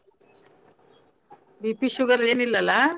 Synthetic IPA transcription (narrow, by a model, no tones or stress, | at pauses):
bipiʃuɣɐɾeːnilːɐla